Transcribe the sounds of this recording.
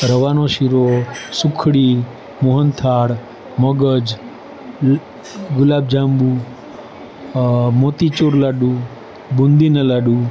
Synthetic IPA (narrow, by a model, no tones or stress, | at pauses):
ɾəʋanoʃiɾosʊkʰɽi | muɦənt̪ʰaɽ | məɡəd͡ʒ | ɡʊlab̚d͡ʒambu | mot̪it͡ʃoɾlaɖu | bund̪inəlaɖu